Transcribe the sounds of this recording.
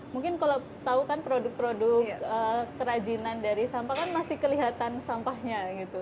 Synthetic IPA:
muŋkɪnkala | t̪aukanpɾodʊk̚pɾodʊkəkəɾad͡ʒinandaɾisampahkanmasɪhkəliɦat̪ansampahɲaɡit̪u

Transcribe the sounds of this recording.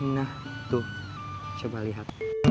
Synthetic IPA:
naht̪uh | t͡ʃəbaliɦat̪̚

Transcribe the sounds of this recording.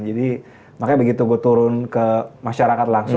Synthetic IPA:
d͡ʒadi | makajbəɡit̪uɡuat̪uɾʊnkəmaʃaɾakat̪laŋsʊ

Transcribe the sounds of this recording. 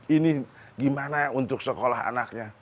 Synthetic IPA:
ini | ɡimanaunt̪ʊk̚səkolaɦa̰nak̚ɲa

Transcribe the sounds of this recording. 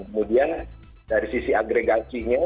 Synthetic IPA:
ŋkəmudian | daɾisisiaɡɾeɡasiɲa

